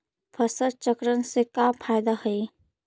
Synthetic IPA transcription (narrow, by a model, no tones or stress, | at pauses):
pʰəsəɾt͡ʃəkɾənsekapʰaːjd̪ahəi